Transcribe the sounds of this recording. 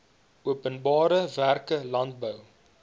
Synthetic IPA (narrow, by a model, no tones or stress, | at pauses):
uəpənbɑːɾəværkəlɐntbəw